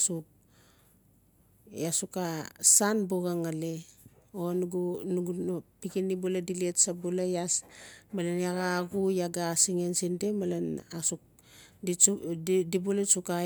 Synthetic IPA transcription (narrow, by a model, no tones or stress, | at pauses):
suk̚ | jasukasanbuɡaŋaleonuɡunuɡupikinibuladiletsabulajasmalenjaɡaɡujaɡasiŋensindemalenasuk̚ | di | dibulet͡ʃuka